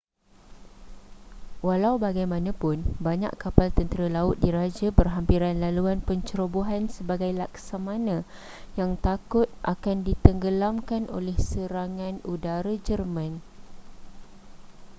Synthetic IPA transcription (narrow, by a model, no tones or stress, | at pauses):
walawbaɡajmãnãpʊnbaɲã̰ʔkapalt̪ənt̪əɾalaʊt̪̚diɾad͡ʒabərɦampiɾanlaluanpəɲt͡ʃəɾobuɦansəbaɡajlaksamãnã | jaŋt̪akʊt̪̚ʔa̰kandit̪əŋɡəlamkanʔo̰lɛhsəɾaŋãnudaɾad͡ʒərmãn